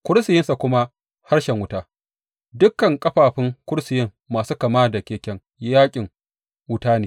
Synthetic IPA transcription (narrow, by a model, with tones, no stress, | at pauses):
kʷʊ˦ɽsɪ˨jɪ˦nsa˨kʷʊ˦ma˦ | ha˦ɽʃɛ˨ŋwʊ˦taː˦ | dʊ˦kːɐ˨ŋkʼɐ˦ɸaː˨ɸɪ˦ŋkʷʊ˦ɽsɪ˨jɪ˦ŋːaː˨suː˦kɐ˨maː˦da˨kʲeː˨kʲɛ˦ŋ | jaː˦kʲʼɪ˨ŋ | wʊ˦taː˦neː˨